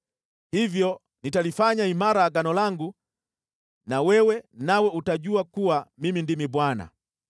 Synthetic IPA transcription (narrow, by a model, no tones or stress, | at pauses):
hivjɔ | nitalifaɲaimaɾaːɡanɔlaŋɡu | nawɛwɛnawɛutaɟuakuwamimindimibwana̰